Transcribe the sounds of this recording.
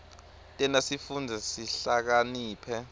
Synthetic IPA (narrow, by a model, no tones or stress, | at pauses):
tʼɛnasifund͡zʱɛsiɬak̬aniːpʰɛ